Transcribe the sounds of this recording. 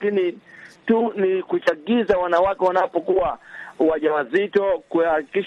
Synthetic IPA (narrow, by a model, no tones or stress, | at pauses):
kinitunikut͡ʃaɠizawanawakɛwanapɔkuwawaʄawazitɔkuhakikiʃ